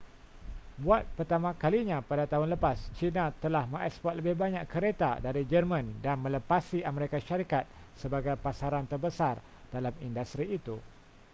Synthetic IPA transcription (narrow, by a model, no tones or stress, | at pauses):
buat̪̚pərt̪amãkaliɲãpadat̪aɦʊnləpast͡ʃinãt̪əlahmə̃ŋɛkspɔt̪̚ləbɪhbaɲaʔkəɾet̪a̰daɾid͡ʒərmə̃ndanmə̃ləpasiaməɾekaʃaɾikat̪̚ | səbaɡajpasaɾant̪ərbəsar | d̥alamindust̪ɾiːt̪u